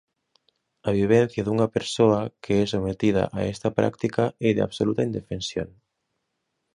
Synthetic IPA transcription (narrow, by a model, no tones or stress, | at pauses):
ɐβ̞iβ̞ɛn̟θjaðuŋapeɾsoɐkʰeɛsomet̪iða̰ʔaɛst̪apɾa̰kt̪ikaɛðea̰βsolut̪aind̪efensjo̰ŋ